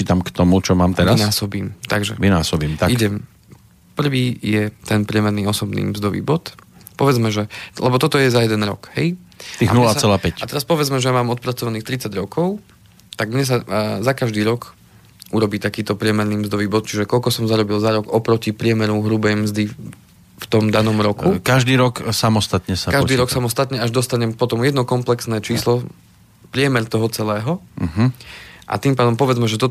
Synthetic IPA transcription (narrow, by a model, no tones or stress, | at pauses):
t͡ʃiːt̪amkt̪ɔmut͡ʃɔmaːmt̪ɛɾanaːsɔbiːmt̪aɡʒɛ̰ʋinaːsɔbiːmt̪aiɟɛm | pr̩ʋiːjɛt̪ɛnpɾɪɛmɛɾniːɔsɔbnḭːmzd̪ɔʋḭːbɔt̪ | pɔʋɛd͡zmɛʒɛlɛbɔt̪ɔt̪ɔjɛzajɛd̪ɛnɾɔ̰khɛjt̪iːɣanulast͡sɛlaːpɛcat̪ɛɾaspɔʋɛd͡zmɛʒɛjamaːmɔt̪̚pɾat͡sɔʋaniːxt̪ɾit͡saɟɾɔkʰɔʊ | t̪aɡmɲɛs̬azakaʒd̪iːɾɔk | ʔuɾɔbiːt̪akiːt̪ɔpɾɪɛmɛɾniːmzd̪ɔʋiːbɔt̪̚t͡ʃiʒɛkɔʎkɔsɔmzaɾɔbilzaɾɔɡɔpɾɔcipɾɪɛmɛɾuɦɾubɛjmzd̪i | ft̪ɔmd̪anɔmɾɔkukaʒd̪iːɾɔksamɔst̪at̪ɲɛsakaʒd̪ːɾɔksamɔst̪at̪ɲɛaʒd̪ɔst̪aɲɛmpɔt̪ɔmjɛd̪nɔkɔmplɛksnɛːt͡ʃiːslɔ | pɾɪɛmɛɾt̪ɔɦɔt͡sɛlɛːɦɔ | ʔa̰t̪iːmpaːd̪ɔmpɔʋɛd͡zmɛʒɛt̪ɔ